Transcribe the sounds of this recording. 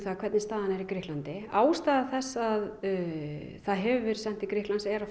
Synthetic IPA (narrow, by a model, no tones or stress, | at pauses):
θaðkʰvɛɾt̪nɪst̪aːðanɛɾikɾɪhklant̪ɪaːwst̪aːðaθɛsːað | θaðɦɛvʏvɛɾ̥sɛn̥t̪ikɾɪhtlansɛɾa